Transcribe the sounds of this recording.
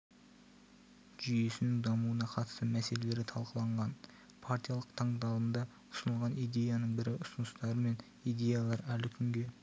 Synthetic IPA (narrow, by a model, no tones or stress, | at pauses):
ʒ̥ʏje̞sɪnɪŋd̪ɑmuənɑqʰɑt̪əst̪əmæse̞le̞le̞ɾɪt̪ʰɑlˠqəlˠɑɴʁɑn | pʰaɾt̪ʲijalˠəqt̪ʰɑɴd̪ɑlˠənd̪ɑ | ʊ̥sənəlˠʁɑnijd̪e̞jɑnəɴbɪɾɪʊsənəst̪ɑɾəme̞n | ijd̪e̞jalˠɑɾælɪkʲʰʏŋɡʲe̞